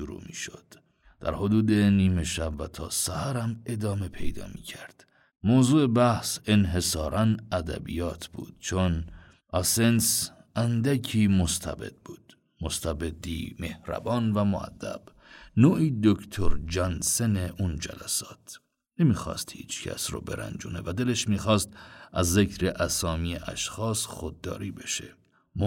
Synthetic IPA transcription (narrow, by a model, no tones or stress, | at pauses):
ʃuɾṵːmḭːʃod̪̥ | d̪̥æ̰ɾhod̪uːd̪e̞niːme̞ʃæbvæt̪ʰɒːsæhæɾæme̞d̪ɒːme̞pʰe̞jd̪ɒ̰ːmiːcʰæɾd̪̥ | moːzuːe̞bæhse̞nɦe̞sɒːɾʔænæd̪æ̰bḭjɒːt̪ʰb̥ṵːd̪̥̚t͡ʃʰon | ʔɒsensʔænd̪æcʰiːmost̪ʰæ̰be̞̰d̪̥̚buːd̪̥ | most̪ʰæbe̞d̪iːme̞hɾæ̰bɒːnvæmoæ̰d̪ːæ̰b̥ | noːʔiːd̪okʰt̪ʰoɾd͡ʒænseneʔund͡ʒæ̰læsɒːt̪ʰ | nemiːxɒ̰ːst̪hḭːt͡ʃʰcʰæ̰sɾɔ̰ːbe̞ɾæ̰nd͡ʒṵːne̞væd̪e̞leʃmiːxɒːst̪ʔæzːecʰɾe̞ʔæsɒːmiːeʔæ̰ʃxɒːsxod̪̚ːɒ̰ːɾiːbe̞ʃe̞̰ | m